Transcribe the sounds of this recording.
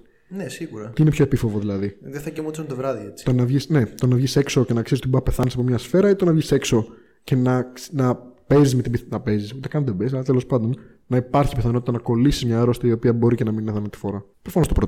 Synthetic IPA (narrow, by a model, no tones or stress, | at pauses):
nesiɣuɾɐt̪iinepçoepifovoðilɐðiðeθɐcemot̪isunt̪ovɾɐðiet͡si̥t̪onɐvʝisne̞t̪o̞nɐvʝise̞kso̞ce̞nɐksizisot̪ibɐpe̞θɐnisɐpo̞mɲɐsfe̞ɾɐit̪onɐvʝise̞kso̞ | ce̞nɐnɐpe̞zizmet̪ibinɐpe̞zisut̪ekɐnðebes̬ɐlɐt̪elo̞spɐnd̪o̞n | nɐipɐɾçi̥piθɐnot̪it̪ɐnɐko̞lisizmɲɐeɾost̪ɐio̞piɐbo̞ɾicenɐminineθɐnt̪i̥foɾɐ | pɾofɐnost̪opɾot̪